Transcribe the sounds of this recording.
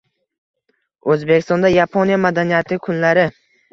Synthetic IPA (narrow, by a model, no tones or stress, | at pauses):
ɵzbekʲɪst̪ɒnd̪ajapʰonijamad̪anijat̪ʰɪkʰʊnlaɾɪ